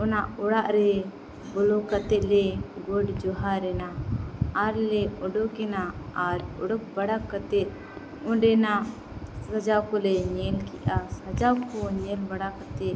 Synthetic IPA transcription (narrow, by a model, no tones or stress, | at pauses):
ɔnaʔɔɽaʔɾɛ | bɔlɔkat̪ɛʔ̪̚lɛɡɔɖd͡ʒɔɦaɾɛnaaɾlɛɔɖɔkɛnaaɾɔ̰ɽɔk̚baɽakːat̪ɛt̪̚ | ɔ̃ɖɛnaʔ | sad͡ʒawkɔlɛɲɛlkɛʔasad͡ʒawkɔɲɛlbaɽakat̪ɛʔ̪